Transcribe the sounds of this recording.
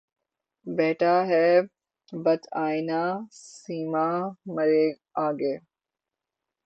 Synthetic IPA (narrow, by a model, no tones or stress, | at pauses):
beːʈaːɦɛː | bət̪ʰaːinaːsiːmaːməɾeː | aːɡeː